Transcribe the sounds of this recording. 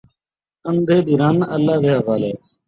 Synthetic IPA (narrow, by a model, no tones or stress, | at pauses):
ənd̪ʱeːd̪iːɾaːnəlːaːʋeɦəʋaːleː